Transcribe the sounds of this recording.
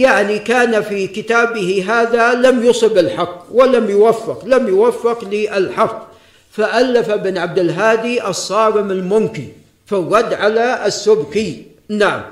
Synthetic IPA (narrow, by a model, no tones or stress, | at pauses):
jaʕnikaːnafikɪt̪aːbɪhiɦaːðalamjʊsˤɨbɪlħɑqːwalamjʊwafːɪqlamjʊwafːɪqlɪʔɪlħɑqː | faʔalːafabɪnʕab̚d̪ɪlɦaːd̪iʔɑsˤːɑːɾɪmalmʊmkɪn | falɣɑd̪ːʕalaɪsːʊbkɪ | naʕa̰m